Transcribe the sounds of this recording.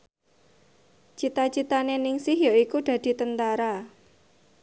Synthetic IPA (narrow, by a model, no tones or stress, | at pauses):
t͡ʃit̪at͡ʃit̪anenɪŋsɪhjaikud̥ä̤d̪̥i̤t̪ənt̪aɾa